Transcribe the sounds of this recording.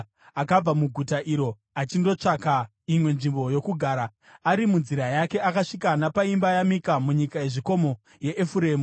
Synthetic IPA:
akab͡vamuɡʱutaʔiɾo̞ | at͡ʃindo̞t͡ʂaka | imwe̞nʐimbo̞jo̞kuɡʱaːɾaː | ɾimunziɾajake̞akaʂikanapaimbajamikamuɲikaje̞ʐiko̞mo̞ | je̞ʔːfuɾeːmu

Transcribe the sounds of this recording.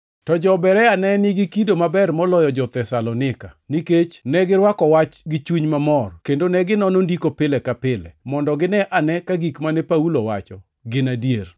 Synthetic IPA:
tɔd͡ʒɔbɛɾɛanɛnɪɡɪkidomabɛrmɔlɔjɔd͡ʒɔt̪ɛsalɔnɪkaniket͡ʃnɛɡɪɾwakɔwat͡ʃɡɪt͡ʃuɲmamɔrkendonɛɡɪnɔnondikopɪlɛkapɪlɛ̰mɔndɔɡɪnɛʔanɛkaɡikmanɛpaulowa̰t͡ʃɔ | ɡɪnadjer

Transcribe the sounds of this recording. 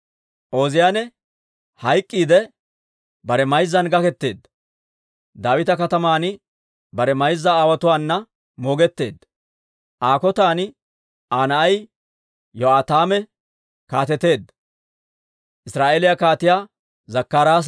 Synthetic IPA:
ʔo̞ːzɪjaːnɛ | hɐjkʼːiːd̪ɛ | bɐɾɛmɐjzːɐnɡɐkɛt̪ːe̞ːd̪ːɐ | d̪aːwɪt̪ɐkɐt̪ɐmaːn | bɐɾɛmɐjzːɐaːwɐt̪ʊwaːnːɐ | mo̞ːɡɛt̪ːe̞ːd̪ː | ʔaːkɔt̪aːn | ʔaːnɐʔɐj | jɔaːt̪aːmɛ | kaːt̪ɛt̪ːe̞ːd̪ːɐ | ʔɪsɾaːʔeːlɪjakaːt̪ɪjaː | zɐkːaːɾaːs

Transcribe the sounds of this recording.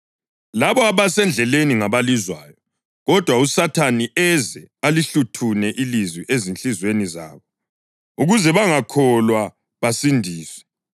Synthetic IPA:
laβɔaβasɛnd͡ɮʱɛleniŋaβalizwaːjɔ | ɣɔd̥ʱwausatʰaniʔɛzɛaliɬutʰunɛʔilizwiʔezint͡ɬizweniza̰ːβɔ | uɣuzɛβaŋakʰɔlwa | βasindʱiːswɛ̥

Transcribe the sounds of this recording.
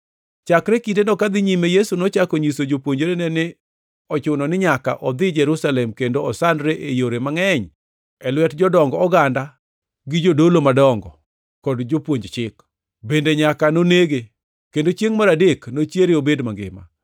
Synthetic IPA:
t͡ʃakɾekitenɔkad̪ɪɲimejesunɔt͡ʃakɔɲisod͡ʒopwoɲd͡ʒoɾenɛnɪ | ɔt͡ʃʊnɔnɪɲaka̰ʔɔd̪ɪd͡ʒɛɾusalɛmkendoɔsandɾeʔejoɾemaŋɛɲ | ɛlwɛtd͡ʒɔdɔŋɡɔɔɡanda | ɡɪd͡ʒodolomadɔŋɡɔ | kɔdd͡ʒopwoɲd͡ʒt͡ʃɪk | bendeɲakanoneɡe | kendot͡ʃjeŋmaɾadeknot͡ʃjeɾeobedmaŋɡɪ̰ma̰

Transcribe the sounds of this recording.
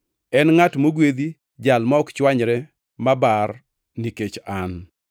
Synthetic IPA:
ɛnŋatmoɡwed̪i | d͡ʒalmaɔkt͡ʃwaɲɾɛ | mabar | niket͡ʃan

